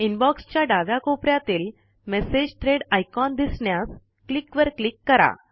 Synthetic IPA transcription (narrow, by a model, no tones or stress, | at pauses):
inbɔkst͡ɕjaɖaʋjakopɾjat̪iːl | mesed͡ʑʈ̪ʰɾeɽajkɔnd̪isɳjas | klikʋəɾklikːəɾa̰